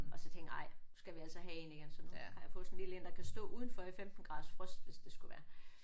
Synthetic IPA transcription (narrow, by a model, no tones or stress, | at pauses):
ɒ̽sɒ̽t͡sʰeŋɡ̥ɑ̈ɪ̰sɡ̥æʋiæl̰sɒɦæe̝niɡ̥ensɒ̽hɑ̈jafɔ̽ːsnlilend̥ɑkʰæsd̥ɔ̰ːuːð̞ˠn̩fɒ̽ifemd̥n̩ɡ̥ʁɑ̈ðˠsfʁœsd̥ʋe̝sd̥e̝sɡ̥uʋæːɐ